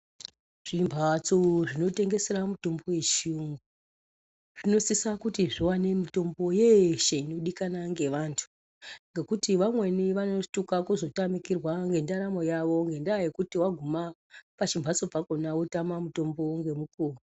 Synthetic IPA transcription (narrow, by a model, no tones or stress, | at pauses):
ʐ̥imbʱat͡soʐino̞te̞ŋɡe̞se̞ɾamuto̞mbo̞we̞t͡ʃiuŋɡu | ʐ̥ino̞sisakutiʐiwane̞mito̞mbo̞jeʃeino̞ɗikanaŋɡe̞ʋaːntʰu̥ | ŋɡe̞kutiʋamwe̞niʋano̞tukakuzo̞tamikirwaŋɡe̞ndaɾamo̞jaʋo̞ŋɡe̞ndajekutiwaɡʱuma | pat͡ʃimbʱat͡sopakonautamamuto̞mbo̞ŋɡe̞mukuːru